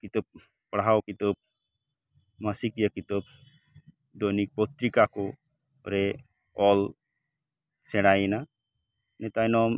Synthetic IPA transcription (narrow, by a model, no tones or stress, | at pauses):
kit̪ɔp̚ | pɽɦawkit̪ɔp̚ | masikjakit̪ɔp̚ | d̪onik̚pɔt̪ɾikakɔ | ɾɛ | ɔl | sɛɽajɛna | nɛt̪ajnɔm